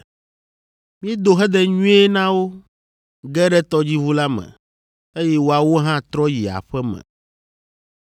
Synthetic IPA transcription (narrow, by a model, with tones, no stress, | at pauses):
mĩ˦ɛ˦d̪o˨ɦɛ˦d̪ɛ˦ɲũ˦e˦nã˦wo˦ | ɡɛ˦ɖɛ˦t̪ɔ˦d͡ʑi˦vu˦la˦mɛ̰̃˨ | e˦jɛ˦wo˨a˨wo˦ɦã˦t̪ɾɔ˦ji˨a̰˨ɸɛ˦mɛ̰̃˨